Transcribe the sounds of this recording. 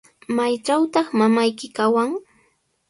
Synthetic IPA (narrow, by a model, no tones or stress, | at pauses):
majt͡ʃawt̪ɑχmamajkɪkawaŋ